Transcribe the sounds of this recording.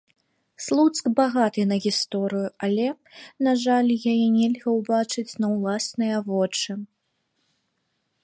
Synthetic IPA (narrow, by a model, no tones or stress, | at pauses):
slˠut̪skbaɣat̪ɨnɐɣʲist̪ɔɾɨjuɐlʲɛ | naʐalʲjajɛnʲɛlʲɣɐwbat͡ʂɨt͡sʲnɐwlˠasnɨjɐvɔt͡ʂɨ